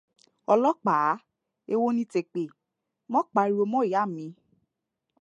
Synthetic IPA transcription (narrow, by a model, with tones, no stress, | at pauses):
ɔ˧lɔ˦k͡pa˨˦ | e˧wo˦nĩ˦te˧˨k͡pe˨ | mɔ̃˦k͡pa˧˦i˦˧o˧mɔ̃˦˨a˦˨mĩ˨˧˦